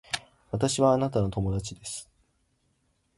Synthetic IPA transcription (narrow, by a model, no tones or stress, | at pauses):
βat̪aɕiβaːnat̪ano̞t̪o̞mo̞d̪at͡ɕid̪e̞sɨ̥